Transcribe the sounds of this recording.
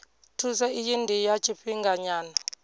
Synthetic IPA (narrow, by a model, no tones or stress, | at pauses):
tʰusɛijindʱijat͡ʃʼiɸiŋɡaɲaːna